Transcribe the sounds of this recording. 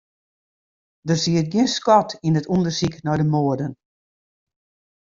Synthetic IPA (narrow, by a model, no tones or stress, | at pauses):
dərsiət̚ɡjɪənskɔtinətundərsiknɔjdəmoərdən